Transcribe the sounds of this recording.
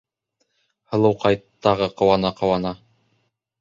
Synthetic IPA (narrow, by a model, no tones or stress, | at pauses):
hɤ̆lˠɤ̆wqɑjtt̪ːɑʁɤqɤ̆wɑnɑqɤ̆wɑnɑ